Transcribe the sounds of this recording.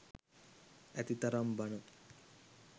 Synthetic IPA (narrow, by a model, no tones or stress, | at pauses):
ɐt̪it̪ɐɾɐmbɐnu